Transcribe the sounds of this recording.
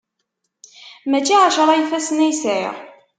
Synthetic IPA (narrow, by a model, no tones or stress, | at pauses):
mæt͡ʃːiʕaʃɾˤɑjfæsnæjsə̰ʁ